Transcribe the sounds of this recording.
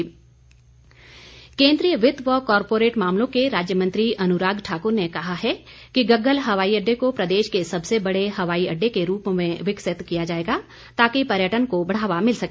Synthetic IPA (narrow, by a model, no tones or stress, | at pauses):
kẽːnd̪ɾijəʋɪt̪ʋəkɔːɾpoːɾeːʈmaːmlõkeɾaːd͡ʒjəmɐ̃nt̪ɾiʔɐnʊɾaːɡʈʰaːkʊɾnekɐɦaɦɛkiɡɐɡːəlɦɐʋaːiɐɖːekopɾɐd̪eːʃkesɐbsebɐɽeɦɐʋaːiɐɖːekeɾuːpmẽʋɪksɪt̪kijad͡ʒaːeːɡa | t̪aːkipɐɾjəʈənkobɐɽ̤aːʋamɪlsɐkː